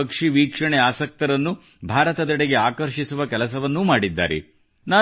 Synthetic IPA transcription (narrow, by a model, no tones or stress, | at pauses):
ɐkʂiʋiːkʂɐɳeaːsɐk̚t̪ɐɾɐnːu | bʱaːɾɐt̪ɐd̪ɐɽeɡe̞aːkɐɾʃisuʋɐkɛlɐsɐʋɐnːumaːɽid̪ːa̰ːɾḛ | naː